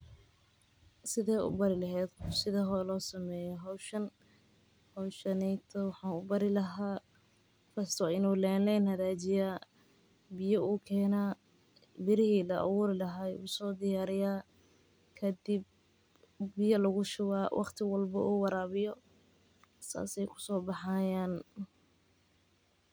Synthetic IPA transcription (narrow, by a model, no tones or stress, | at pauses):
sɪðɛːʊ̰bɐɾɪlɐɦɛːd̪kʊsɪðɐɦɔlɔːsɐmɛːjɔɦɔwʃɐn | hɔwʃɐnɛjt̪ʰɔwɑħɑːnʊbɐɾɪlɐɦaː | fɐst̪ʰɔɪnuːlɛːlɛjnhɐðaːt͡ʃɪjaː | bɪjɔʔuːkʰɛːnaː | bɪɾɪɦiːlɐʔɑ̰wuːɾɪlɐɦaːṵːsɔːd̪ɪjaːɾɪjaː | kʰɐd̪ɪb̚ː | ɪjɐlɐɣʊʃʊwaːwʔɑ̰qt̪ʰɪwɑlbɐ̰ʔuːwɑɾaːβɪjɔ | sa̰ːsɛjkʰʊ̥sɔːbɑħaːjaːn